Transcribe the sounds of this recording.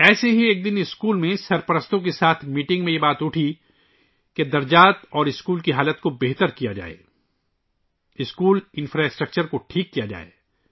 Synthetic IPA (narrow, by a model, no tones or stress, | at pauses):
ɛːseɦieːk̚d̪ɪnɪskuːlmẽsɐɾpɐɾəst̪õk̬esaːt̪ʰmiːʈɪ̃ŋɡmẽjebaːt̪ʊʈʰi | ked̪ɐɾd͡ʒaːt̪ɔːɾɪskuːlkiɦaːlət̪kobeɦt̪əɾkijad͡ʒa̰ːḛː | ɪskuːlɪ̃nfɾaːɪsʈɾək̚t͡ʃəɾkoʈʰiːkːijad͡ʒa̰ːḛː